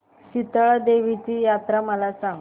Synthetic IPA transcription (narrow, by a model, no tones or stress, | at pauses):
ɕit̪əɭd̪eʋit͡ɕiːjat̪ɾaməlasãŋɡ